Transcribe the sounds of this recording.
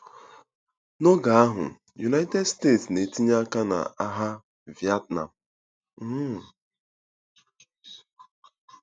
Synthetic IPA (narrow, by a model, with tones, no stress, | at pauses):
no˦ɡa˨a˦ɦʊ̰˨ | ju˨na˦i˦tɛ˦dste˦˨tsne˨ti˦ɲa˦ka˦na̰˨a˦ɦa˦ | vi˨a˦t̚na̰˨m̩˨˦˨